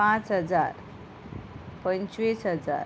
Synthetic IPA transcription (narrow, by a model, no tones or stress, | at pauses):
ãt͡sɦəd͡zaɾ | pə̃ɲt͡ɕʋisɦəd͡za̰ɾ